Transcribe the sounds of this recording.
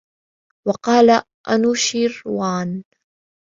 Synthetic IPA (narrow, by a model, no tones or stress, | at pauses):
wɑqɑːla | ʔanuːʃiːɾwaːn